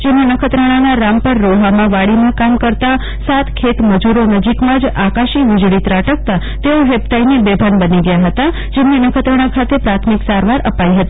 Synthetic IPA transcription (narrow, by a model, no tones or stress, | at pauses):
d͡ʒemnenəkʰət̪ɾəɽ̃anaɾampəɾːoɦamãʋaɽimãkamkəɾt̪a | sat̪kʰet̪məd͡ʒuɾonəd͡ʒikmãd͡ʒakaʃiʋɪd͡ʒɭit̪ɾaʈək̚t̪a | t̪eoɦep̚t̪ainibebʱənbəniɡəjaɦət̪a | d͡ʒemnenəkʰət̪ɾəɽ̃ãkʰat̪epɾat̪ʰmiksaɾʋaɾʔəpaiɦət̪i